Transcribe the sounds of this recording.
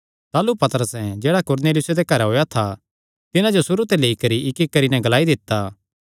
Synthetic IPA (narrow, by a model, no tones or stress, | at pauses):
t̪aːlupɐt̪əɾəsɛ̃d͡ʒeːɽakʊɾneːlɪjʊsed̪ekɐɾɛɦoːjat̪ʰa | t̪ɪnãd͡ʒosʊɾut̪eleːikɐɾiɪkɪkːɐɾinɛɡɐlaːid̪ɪt̪ːaː